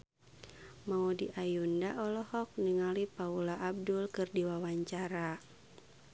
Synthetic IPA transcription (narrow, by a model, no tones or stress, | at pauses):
maudiʔajundaʔɔlɔhɔk̚niŋalipaulaʔːb̚dulkɨrdiwawaɲt͡ʃaɾa